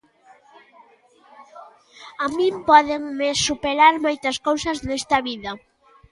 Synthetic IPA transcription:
amĩmpɔðeŋmɪsupeɾaɾmojt̪ɐskowsɐznɛst̪ɐβiðɐ

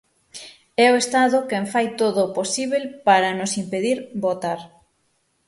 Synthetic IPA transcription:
ɛoest̪aðʊkeɱfajt̪oðoposiβelpaɾɐnʊsimpeðiɾbot̪aɾ

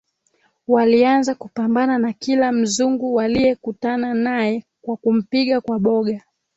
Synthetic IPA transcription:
walianzakupambananakilam̩zuŋɡuwalijɛkutananajɛkwakum̩piɠakwaɓɔɠa

